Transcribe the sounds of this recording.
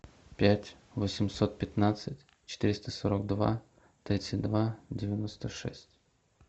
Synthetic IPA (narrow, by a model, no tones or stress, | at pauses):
pʲætʲ | vosʲɪmso̞t̪̚pʲɪt̪nat̪sɨtʲ | t͡ɕɪ̥t̪iɾʲɪst̪əsoɾəɡd̪va̰ | t̪ɾʲit̪sɨt̚ʲd̪vadʲɪvʲɪnost̪əʂɛ̰sʲtʲ